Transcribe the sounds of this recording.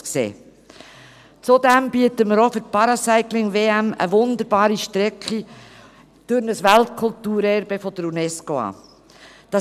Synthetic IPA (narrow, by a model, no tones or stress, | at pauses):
ksḛː | t͡sodɛmbiətəməɾofʏɾt̚pɑɾɑsæɪklɪŋʋeːæmə̰ʋʊnd̪əɾbɑːɾiʃtɾɛkχi | d̥ʊɾnəsʋæltkʰʊltuːɾɛɾb̥əfɔd̥̪əɾunɛskoɑ̰ː | d̥ɑ